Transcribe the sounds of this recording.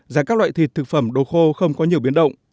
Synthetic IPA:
zaː˧˩kaː˦˥k̚lw̰a̰ː˧˨jt̪ʰi˨˩t̚t̪ʰɨ˨˩k̚fə˧˩mɗo˧˩xo˧xə˧wŋ͡mkɔ˨˦ɲi˨˩əwɓi˨˦ənɗə̰˧˨wŋ͡mʔ

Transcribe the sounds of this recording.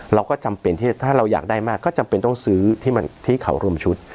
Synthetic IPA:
ɾa˧wkɔː˥˩t͡ɕa˧mpe˧nt̪ʰi˥˩t̪ʰaː˥˩ɾa˧wja̰ː˨˩k̚daː˥˩jmaː˥˩kːɔː˥˩t͡ɕa˧mpe˧nt̪ɔ˥˩ŋsɯː˦˥t̪ʰiː˥˩ma˧nt̪ʰiː˥˩kʰa̰˩˦wɾu˧əmt͡ɕʰu˦˥t̪̚

